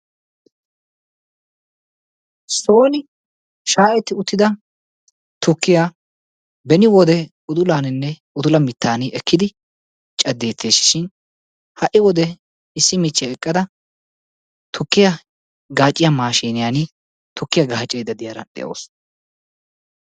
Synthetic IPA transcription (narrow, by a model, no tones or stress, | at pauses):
so̞ːnɪ | ʃaːʔɛt̪ːɪʊt̪ːɪd̪ɐ | t̪ʊkːɪja | bɛnɪwɔd̪ɛ | ʊd̪ʊlaːnɪnːɛ | ʊd̪ʊlɐmɪt̪ːaːnɪɛkːɪd̪ɪ | t͡ʃʼɐd̪ːe̞ːt̪ʰːeːsɪ̥ʃɪn | hɐʔɪwɔd̪ɛ | ɪsːɪmɪt͡ʃːɪjaɛkʼːɐd̪ɐ | t̪ʰʊkːɪjɐ | ɡaːt͡ʃʼːɪjamaːʃiːnɪjanɪ | t̪ʊkːɪjɐɡaːt͡ʃʼːɛjd̪ɐd̪ɪjaɾɐ̰ɗɛ̰ʔo̰ːs